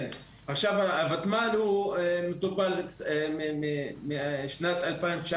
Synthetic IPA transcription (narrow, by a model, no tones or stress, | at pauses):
n | aχʃavaavat̪manhuemet̪upalemimimiʃnat̪alpajnt͡ʃa